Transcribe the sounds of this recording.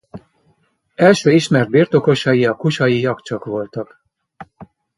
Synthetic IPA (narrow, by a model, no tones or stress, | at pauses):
ɛlʃøːiʃmɛrd̪̚birt̪o̞ko̞ʃɒjiɒkuʃɒjijɒkt͡ʃɒkʋo̞lt̪ɒk